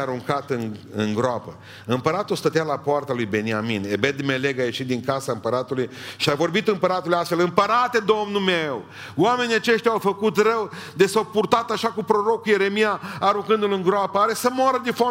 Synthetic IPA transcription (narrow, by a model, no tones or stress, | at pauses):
aɾuŋkat̪ɨŋɨŋɡɾoapə | ɨmpəɾat̪ulst̪ət̪ealapoart̪alujbe̞niamine̞bed̪meleɡaje̞ʃit̪̚d̪iŋkasaɨmpəɾat̪ulujʃiavo̞rbit̪ɨmpəɾat̪ulujast̪felɨmpəɾat̪e̞d̪o̞mnulmew | wame̞nʲiat͡ʃe̞ʃt̪ʲawfəkut̪rəwd̪esawpurt̪at̪aʃakupɾoɾo̞kuje̞ɾe̞mijaːɾuŋkɨnd̪ulɨŋɡɾoapəaɾe̞səmoaɾəd̪ifa